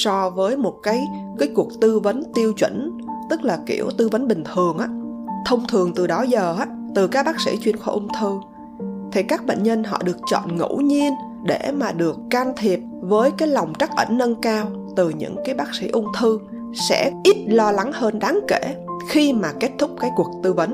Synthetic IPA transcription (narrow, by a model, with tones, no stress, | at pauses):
sɔ˧vəː˨˦jmo˨˩t̚kaː˨˦j | kaː˨˦jku˨˩ək̚t̪ɨ˧və˨˦nt̪i˧əwt͡ɕwə̰˧˩n | t̪ɨ˦˥k̚laː˨˩kḭ˧˩əwt̪ɨ˧və˨˦nɓï˨˩ŋ̟t̪ʰɨ˨˩əŋʔaː˨˥t̪ʰə˧wŋ͡mt̪ʰɨ˨˩əŋt̪ɨ˨˩ɗɔ˨˦zəː˨˩ʔaː˨˦˥ | t̪ɨ˨˩kaː˦˥ɓaː˦˥k̚sḭ˧˥t͡ɕwi˧ənxɔ̰˧˩ʔʊ˧ŋ͡mt̪ʰɨ˧ | t̪ʰi˨˩kaː˦˥k̚ɓḛ˧˨nɲə˧nɦɔ̰˧˨ɗɨ˨˩ək̚t͡ɕɔ̰˧˨nŋṵ˧˥ɲi˧ən | ɗe˧˩maː˨˩ɗɨ˨˩əkːaː˧nt̪ʰi˨˩əp̚vəː˨˦jkaː˨˦jlɔ˨˩wŋ͡mt͡ɕa˦˥k̚ʔə̰˧˩nːə˧nkaː˧w | t̪ɨ˨˩ɲɨ̰˧˥ŋkaː˨˦jɓaː˦˥k̚sḭ˧˥ʔʊ˧ŋ͡mt̪ʰɨ˧ | sɛ̰˧˥ʔi˦˥t̚lɔ˧la˨˦ŋhəː˧nɗaː˨˦ŋke˧˩xi˧maː˨˩ke˦˥t̚t̪ʰʊ˦˥k͡p̚kaː˨˦jku˨˩ək̚t̪ɨ˧və˨˦n